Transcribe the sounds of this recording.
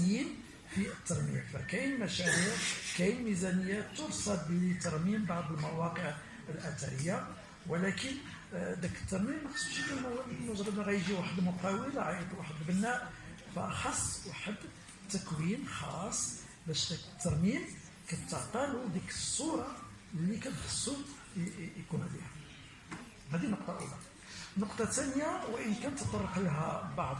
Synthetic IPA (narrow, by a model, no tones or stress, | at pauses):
in | fiət̪ːɑɾˤmḭmfæ̰kæjnmæʃæɾiʕkæjlmizænəjːat̪ːʊɾsˤɑlb̪t̪ɑɾˤmimbaʕd̪ˤəlmæwɑqəʕ | əlʔæt̪æɾəjːa | wəlækən | d̪ækə̥t̪ːɑɾˤmimːæxə̥sˤbʃləlmlmʊʒɾɑmaɣæjʒiwaħəd̪mʊqɑwəlaʕajət̪ˤlwaħəd̪bənːæ | fæʔɑxɑsˤːwaħəd̪ | t̪ːækwinxɑsˤː | bæʃd̪ækə̥t̪ːɑɾˤmim | kæt̪əʕt̪ˤɑlud̪ikəsˤːuɾˤɑ | əlːikæt̪xə̥sˤːu | jkunlḭhæ | hæd̪inoqt̪ˤɑʔə̰lɑ | nːʊqt̪ˤɑt̪ænjawʔənkænt̪ːət̪ˤːɑrˤːəqləɦæbɑʕd̪ˤ